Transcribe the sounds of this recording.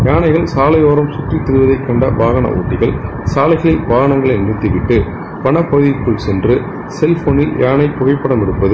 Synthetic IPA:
jaːnɐɪɣɐɭsaːlɐjoːɾɐmsʊt̪rit̪ːɪɾɯʋɐðɐɪkːɐɳɖɐʋaːɣɐnɐ̰ʔṵːʈːɪɣɐɭ | saːlɐɪɣɐɭɪlʋaːɣɐɳɐŋɡɐɭɐɪnːɪt̪ːɯʋɪʈːɯ | pɐɳɐpːɐɣɯðɪkːɯɭsɛndrɯ | sɛlfoːnɪljʔaːɳɐɪpːʊɣɐɪpːɐɽɐmɪɽɯpːɐðɯ

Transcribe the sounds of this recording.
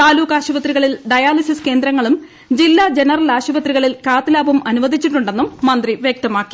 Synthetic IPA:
t̪aːluːkaːɕɐʋɐt̪riɣɐɭilɖɐjaːlisiske̞ːnd̪ɾɐŋːɐɭum | d͡ʑilːad͡ʑe̞nɐrɐlaːɕɐʋɐt̪riɣɐɭilkaːt̪ɨlaːbɐmɐnuʋɐd̪ʱit͡ɕːiʈːuɳɖe̞nːumːɐnd̪riʋjek̚t̪ɐmaːkːi̥

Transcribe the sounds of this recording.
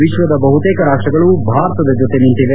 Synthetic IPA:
ʋiʃʋɐd̪ɐbɐɦut̪eːkɐɾaːʂʈɾɐɡɐɭubʱaːɾɐt̪ɐd̪ɐd͡ʒot̪enint̪iʋe

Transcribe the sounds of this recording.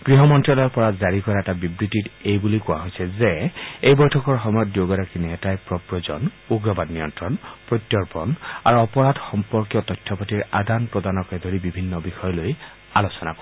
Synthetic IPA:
ɡ̥ɹiɦɔmɔntɹɔlɔɹpɔɹazaɹikɔɹaɛtabibɹititejbulikʊwa̰ɦojsɛzeejbɔjtʰɔkɔɹxɔmɔjɔt̚djoɡaɾakinɛɛtajpɹɔpɹɔzɔ̰n | uɡɹɔbadnijɔntɹɔnpɹɔjtjɔɹpɔna̰ɹuɔpɔɹadxɔmpɔɹkjɔtɔjtʰːɔpɔtiɹa̰danpɹɔdanɔkɛdʱoɹibibʱinːɔbixɔjɔloj | alosɔna̰kɔ

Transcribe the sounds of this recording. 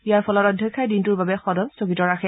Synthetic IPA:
ijaɹpʰɔlɔtɔdʱjɛkʰːajdintuɹbabɛxɔdɔmsoɡitɔɹaxʰɛ

